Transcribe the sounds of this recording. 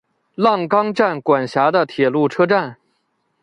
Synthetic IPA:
lɑ˥˩ŋkɑ˥ŋʈ͡ʂa˥˩nkwa˨˩nɕja˧˥d̪ə˧t̪ʰjɛ˨˩lu˥˩ʈ͡ʂʰɤ˥ʈ͡ʂa˥˩n

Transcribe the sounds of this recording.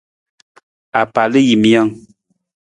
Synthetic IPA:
a˨pa˨lə˦ji˨mja˦ŋ

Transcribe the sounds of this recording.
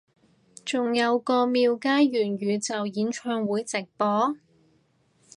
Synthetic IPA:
t͡sʊ˨ŋjɐ˨˧wkɔː˧miː˧wkaː˥jɥyː˨˩nɥyː˨˧t͡sɐ˨wjiː˨˥nt͡ʃʰœː˧ŋwuː˨˥jt͡sɪ˨k̚pɔː˨˥

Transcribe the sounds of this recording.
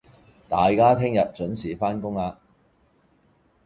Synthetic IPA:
t̪a̰ː˨jkaː˥t̪ʰɪ˥ŋjɐ˨t̚t͡ʃɵ˨˥nsiː˨˥faː˥nkʊ˥ŋaː˧

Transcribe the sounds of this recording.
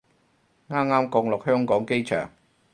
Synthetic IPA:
ŋaː˥mŋaː˥mkɔː˧ŋlʊ˨k̚hœː˥ŋkɔː˨˥ŋke˥jt͡ʃʰœ̰ː˨˩ŋ

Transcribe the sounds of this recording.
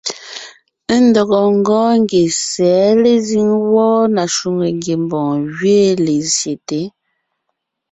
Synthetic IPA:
n̩˦dɔ˨ɣɔ˨ŋ̩˦ɡɔː˦ŋ˦ɡe˨sɛː˨˦le˦zi˦ŋwɔː˦na˨ʃu˨ŋe˨ŋɡe˨m˨bɔ̃ː˨ɣɥe˦le˨zje˨te˨˦

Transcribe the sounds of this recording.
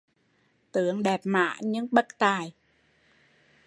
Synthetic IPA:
t̪ɨ̰˧˨əŋɗɛ˨˩p̚ma̰ː˧˥˨ɲɨ̰˧˥ŋɓə˦˥k̚t̪aː˨˩j

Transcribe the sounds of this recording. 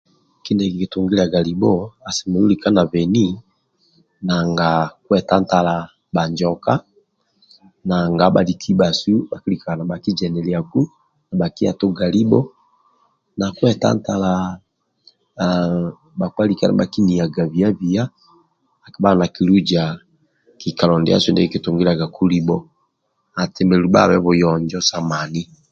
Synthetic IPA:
ki˦ndɛ˨ki˨ki˨tu˨ŋɡi˦la˨ɡa˨li˨bɔ˦a˨si˨mɛ˨lu˦li˨ka˦na˨vɛ˨ni˦ | na˨ŋɡa˨ku˦ɛ˨ta˦n˦ta˦la˨ | ba˨ɲd͡ʒɔ˨ka˦ | na˨ŋɡa˨˦ba˨li˨kʰi˦ba˨su˦ɓa˨ki˦li˨ka˨na˨ba˨ki˦d͡ʒɛ˨nɛ˨li˨a˨ku˦ | na˨ba˨ki˦a̰˨tɔ˦ɡa˨li˦bɔ˦ | na˨kwɛ˦ta̰˦nta˨la˨ | ba˨kwa˦li˦ka˦˨na̰ba˨ki˦ni˨a˨ɡa˨βi˨a˦βi˨a˦ | a˨ki˦βa˦˨na˨ki˨lu˦d͡ʒa˨ | ki˨ka˨lɔ˨ndḭ˦a̰˦su˦ndɛ˦i˦ki˦to˨ŋɡi˦ɾa˨ɡa˨kʰu˦li˦bɔ˦ | a˨tɛ˨mɛ˨lu˨ba̰˦˨βɛ˦βo˨jɔ˨ɲd͡ʒɔ˦sa˦ma˨ni˦

